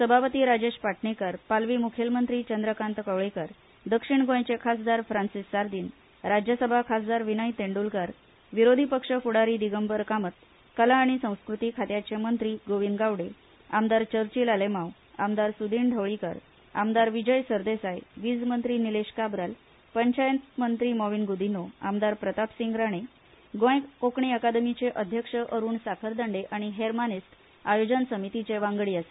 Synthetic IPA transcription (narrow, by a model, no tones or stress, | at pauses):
səbʱapət̪iːɾad͡ʑeɕpaʈʰɳikəɾpalʋiːmukʰjelmənt̪ɾiːt͡ɕənd̪ɾəkant̪kəʋɭikəɾ | d̪əkʂiɳɡõjt͡ɕekʰasd̪aɾfɾansisːaɾd̪iːn | ɾad͡ʑjəsəbʱakʰas̬d̪aɾʋinəjt̪eɳɖulkaɾ | ʋiɾod̪ʱipəkʂəfuɽaɾiːd̪iɡəmbəɾkamət̪̚ | kəlaːɽ̃isə̃w̃skɾut̪ikʰat̪jat͡ɕemənt̪ɾiːɡoʋinɡaʋɽe | amd̪aɾt͡ɕəɾt͡ɕiːlalemaw | a̰md̪aɾsud̪iɳɖʱəʋɭikə̰ɾ | a̰md̪aɾʋid͡ʑəjsəɾd̪esajʋid͡zmənt̪ɾiːnileɕkabɾal | pəɲt͡ɕajənt̪mənt̪ɾiːmɔʋinɡud̪inoa̰md̪aɾpɾət̪apsiŋɡɾaɽ̃e | ɡõjkokɳiəkad̪əmit͡seʔəd̪ʱjəkʂəʔəɾuːɳsakʰəɾd̪əɳɖeʔaɽ̃iɦeɾmanist̪ | ajod͡ʑənsəmit̪it͡seʋaŋɡɭiːase̥